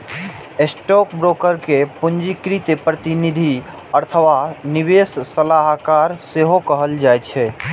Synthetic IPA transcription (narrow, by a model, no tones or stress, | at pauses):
esʈok̚bɾokəɾkepund͡ʒikɾit̪epɾət̪inid̪ʱi | əɾt̪ʰəʋanibesːəlaɦkaɾseɦokəɦəld͡ʒajt͡ʃʰɛ